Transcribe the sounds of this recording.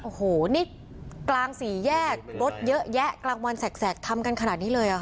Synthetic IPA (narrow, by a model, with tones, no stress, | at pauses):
ʔo˧˩hoː˩˦ni˦˥˩k̚ | klaː˧ŋsiː˩˦jɛː˥˩k̚ɾo˦˥t̪̚jɤ˦˥ʔjɛ˦˥klaː˧ŋwa˧nsɛː˨˩k̚sɛː˨˩k̚t̪ʰa˧mka˧nkʰa˧naː˨˩t̪̚niː˦˥lɤː˧jʔa˨˩˦